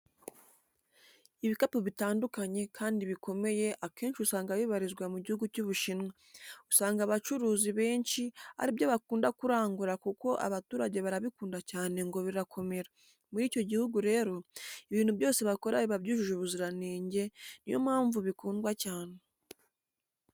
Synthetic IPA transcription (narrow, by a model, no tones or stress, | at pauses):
iβikapoβitaːndukaɲe̞kʰaːndiβikʰo̞me̞je̞ʔake̞ːnʃiusaːŋɡaβiβaɾizɡwamuɟihuɡucuβuʃinŋa | usaːŋɡaːβat͡ʃuɾuːziβe̞ːnʃia̰ɾibjaβakuːndakuɾaːŋɡuɾakuko̞ʔa̰βatuːɾaɟe̞βaɾaβikuːndacaːne̞ŋɡo̞βiɾakʰo̞me̞ɾa | muɾiːco̞ɟihuɡuɾe̞ːɾo̞iβiːn̥huβjo̞ːse̞βako̞ɾaβiβaβɟuʒuʒuβuziɾaneːɲɟe̞nijo̞̰mhaːɱvuβikuːndɡwacaːne̞